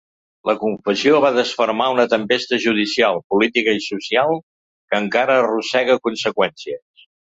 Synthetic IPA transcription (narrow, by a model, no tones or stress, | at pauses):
ləkuɱfəsioβaðəsfərmaunət̪əmpest̪əʒuð̞isialˠpulit̪ikəisusialˠ | kəŋkaɾərusɛɣəkunsəkwɛnsiəs